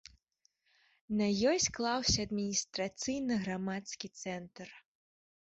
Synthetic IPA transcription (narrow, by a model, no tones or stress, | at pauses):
nɐjɔjsʲklˠawsʲɐːd̪mʲinʲist̪ɾat̪sɨjnɨɣɾamat̪skʲit̪sɛnt̪r